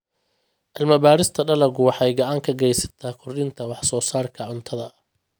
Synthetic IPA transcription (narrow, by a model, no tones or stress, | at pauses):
ʔɪlmɐbaːɾɪst̪ʰɐɖɐlɐɡʊwɑħɑjɡɐʕɑŋkʰɐɡɛjsɐ̥t̪ʰaːkʰʊrɗɪnt̪ʰɐwɑħsɔːsaːrkʰɐʕʊnt̪ʰɐðɐ